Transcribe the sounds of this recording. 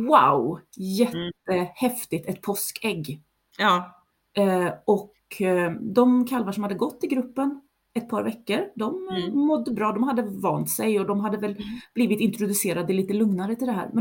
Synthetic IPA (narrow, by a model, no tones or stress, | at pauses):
wawjɛt̪ːəhɛft̪ɪt̪ɛt̪pʰɔskʰɛɡː | ʔɔk | d̪ɔmkʰalːvaʂɔmhad̪ːəɡɔt̪ːɪɡɾɵpːən | ɛt̪̚pʰɑːɾvɛkːəɾd̪ɔmmɔd̪ːəbɾɑːd̪ɔmhad̪ːəvɑːnt̪sɛjɔd̪ɔmɦad̪ːəvɛlb̥liːvɪt̪ɪnt̪ɾʊd̪ɵseːɾad̪ɛliːt̪əlɵŋnaɾət̪ʰɪld̪ɛɦæ̰ːɾmɛ